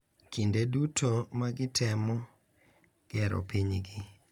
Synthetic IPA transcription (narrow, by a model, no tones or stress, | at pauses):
kʰindedutʰomaɡɪtʰɛmɔ | ɡ̥ɛɾo̰piɲɡi